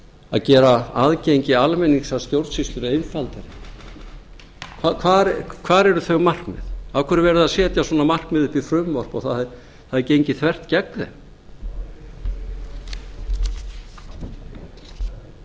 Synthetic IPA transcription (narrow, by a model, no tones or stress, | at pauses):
a̰ðcɛːɾaaðcejɲcɪalmɛniŋsaðst̪jowɾt̪sist̪lʏɾʏejnfalt̪ɪɾɪ | kʰvakʰvaːɾkʰvaːɾɛɾʏθœɥɣmar̥kmɛ̰ðawkʰvɛɾɪɾvɛːɾʏðaðsɛːt̪jaswɔːnamar̥kmɛðʏhpifɾʏmvɔr̥pɔɣθaɛ | θaðɛɾcejɲcɪθvɛr̥t̪cɛkðɛ̰